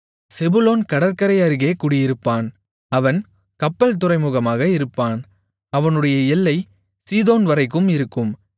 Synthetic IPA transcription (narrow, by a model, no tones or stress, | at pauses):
sɛbɯloːnkɐɽɐɾkɐɾɐɪɐɾɯɣeːkuːɽɪjɪɾɯpːaːn | ɐʋɐn | kɐpːɐlt̪̬ɯɾɐɪmuːɣɐmaːɣɐɪɾɯpːaːn | ɐʋɐnɯɽɐjɐɛlːɐɪ | siːðoːnʋɐɾɐɪk̬ːɯmɪɾɯkːɯm